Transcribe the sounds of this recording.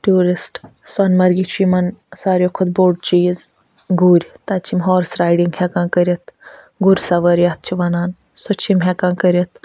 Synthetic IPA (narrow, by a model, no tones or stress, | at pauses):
ʈuːɾisʈsɐnmɐɾɡit͡ʃʰimɐnsaːɾʲjokʰʊd̪̚boːɖt͡ʃiz | ɡuːɾʲt̪aːt͡ʃimɦɔːɾsɾaːjɖiŋɡhekãːkɐɾʲjɐt̪ʰ | ɡuɾʲsɐʋɐɾjaːt̪̚t͡ʃʰiʋɐnaːn | sot͡ʃʰimɦɛkãːkɐɾʲɐt̪